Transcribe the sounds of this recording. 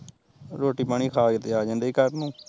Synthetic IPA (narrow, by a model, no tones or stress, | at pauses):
ɾoːʈiːpaːɳ̃iːkʰaːɡɪt̪eaːd͡ʒãːnd̪eːkəɾnũː